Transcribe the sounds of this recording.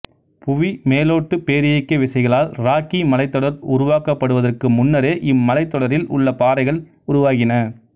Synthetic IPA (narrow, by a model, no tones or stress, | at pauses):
pʊʋimeːloːʈːɯpeːɾɪjɐɪkːɐʋɪsɐɪɣɐɭaːlɾaːkimɐlɐɪt̪ːɔɽɐɾʊɾʊʋaːkɐpːɐɽɯʋɐðɐrkɯmʊnːɐɾeːʔɪmːɐlɐɪt̪ːɔɽɐɾɪlʊ̰ɭːɐpaːɾɐɪɣɐɭ | ʊɾʊʋaːɣɪnɐ